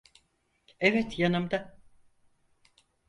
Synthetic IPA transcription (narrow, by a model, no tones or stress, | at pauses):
evɛt̪janɯmd̪a